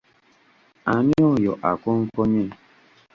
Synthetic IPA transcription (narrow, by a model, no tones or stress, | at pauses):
aɲiojɔ̰ʔakɔŋ̩kɔɲe